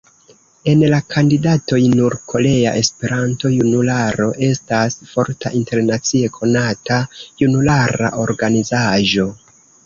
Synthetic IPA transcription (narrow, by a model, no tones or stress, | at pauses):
e̞nlakʰandidato̞jnuɾkʰo̞le̞a̰ʔe̞spe̞ɾanto̞junulaɾo̞ʔe̞stasfo̞ɾtaʔinte̞ɾnat͡sie̞kʰo̞natajunulaɾa̰ʔo̞ɾɡanizaʒo̞